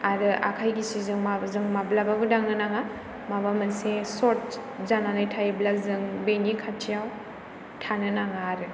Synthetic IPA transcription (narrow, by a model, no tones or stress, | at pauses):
aɾɯʔa̰kʰajɡisizɯŋmabzɯŋmablabaɡɯdaŋɯnaŋa | mabamɯnsesɔt̚ | zananɯjtʰajblazɯŋbenikʰatʰijaw | tʰanɯnaŋaɾɯ